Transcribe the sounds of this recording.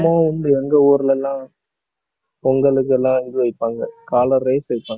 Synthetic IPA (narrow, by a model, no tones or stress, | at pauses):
maːʊnd̪ɯɛŋɡɐuːɾɯlɛlːãː | ɔŋɡɐɭɯkːɯɛlːãːɐŋɡɯʋɐɪpːaːŋɡɐkaːlɐɾːɐɪsʋɐɪpːaːŋɡ